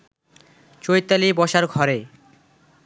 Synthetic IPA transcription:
t͡ɕojt̪ːalibɔʃaɾɡʱɔɾe

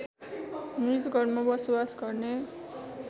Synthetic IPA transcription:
mizɡʌrmabʌsowasɡʌrne

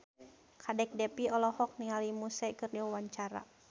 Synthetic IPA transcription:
kʰadɛk̚dɛpiɔlɔhɔk̚niŋalimusɛkɨrniwawaɲt͡ʃaɾa̰

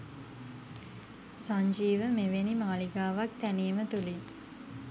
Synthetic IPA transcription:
saɲd͡ʒiːʋəmeʋenimaːliɡaːʋak̚t̪æniːmət̪uli

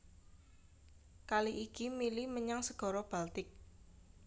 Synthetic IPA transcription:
kaliʔikimiliməɲaŋsəɡ̥ɔ̤ɾɔb̥alt̪ɪk̚

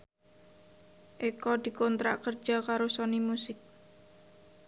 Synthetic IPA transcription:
ʔikɔd̪̥i̤kɔnt̪ɾa̰ʔkər̥ʒ̥a̤kaɾosɔnimusɪk̚

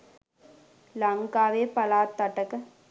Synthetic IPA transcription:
lɐŋkaːʋeːpɐlaːt̪ːɐʈɐkə

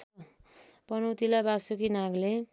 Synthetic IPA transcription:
pʌnʌwt̪ilabasukinaɡle

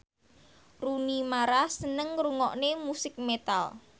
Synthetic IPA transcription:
runimaɾasənəŋɾuŋɔʔnemusɪk̚met̪al

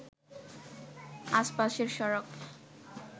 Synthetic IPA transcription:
aʃpaʃeɾʃɔɾok

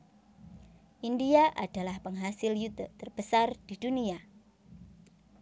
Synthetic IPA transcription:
ʔindiaʔa̰d̥a̤lahpəŋɦasɪljut̪ət̪ərb̥əsard̥i̤d̥unia

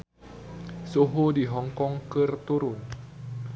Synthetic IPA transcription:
soɦodiɦɔŋkɔŋkərt̪uɾʊn

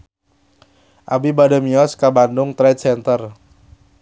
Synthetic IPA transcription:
ʔabibadəmiɔskabandʊŋt̪ɾɛt̪̚sɛnt̪ər

